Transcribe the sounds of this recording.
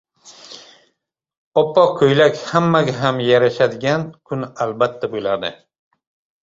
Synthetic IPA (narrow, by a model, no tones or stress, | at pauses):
ɒpːɒkʰɵjlakʲhamːaɡʲaɦamjaɾaʃad̪ɪɡʲankʰʊnalbat̪ʰːabolaɾd̪ɪ